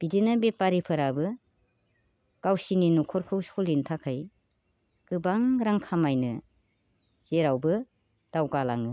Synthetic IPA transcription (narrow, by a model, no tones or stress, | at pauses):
b̥idinɯbepaɾipʰɯɾabɯ | ɡ̥awsininukʰɔɾkʰɯwsɔlintʰakʰɯj | ɡ̥ɯbaŋɾaŋkʰamajnɯ | z̥eɾawbɯ | d̥awɡalaŋɯ